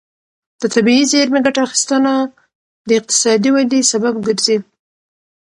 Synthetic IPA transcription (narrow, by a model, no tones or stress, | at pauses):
d̪̥at̪abiizeɾmeɡaʈaaxi̥st̪əna | d̪əɪq̚t̪ɪ̥sɑd̪iwad̪isababɡəɾzi